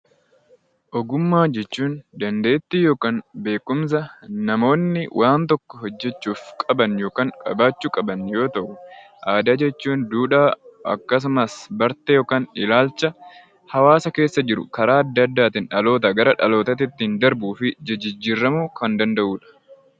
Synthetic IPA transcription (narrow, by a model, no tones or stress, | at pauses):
ʔɔɡʊmːaːd͡ʒɛt͡ʃːuːnd̪ɐnd̪e̞ːt̪ːɪjo̞ːkaːnbe̞ːkːʊms̬ɐnɐmo̞ːnːɪwʔaːnt̪ɔkːɔɦɔd͡ʒːɛt͡ʃːuːfkʼɐbɐnjo̞ːkaːŋkʼɐbaːt͡ʃːuːkʼɐbɐnjo̞ːt̪ɐʔʊ | ʔaːd̪aːd͡ʒɛt͡ʃːuːnd̪uːᶑaːʔɐ̰kːɐs̬ʊmɐsbɐɾt̪ɛjo̞ːkaːnɪlaːlt͡ʃːɐ | hɐwaːsɐke̞ːsːɐd͡ʒɪɾʊ̰kɐɾaːɐd̪ːɐɐd̪ːaːt̪ɪnᶑɐlo̞ːt̪ɐɡɐɾɐᶑɐ̰lo̞ːt̪ɐt̪ɪt̪ːiːnd̪ɐɾbuːfɪd͡ʒɪd͡ʒɪd͡ʒːiːɾːɐmuːkɐnd̪ɐnd̪ɐʔuːᶑɐ̥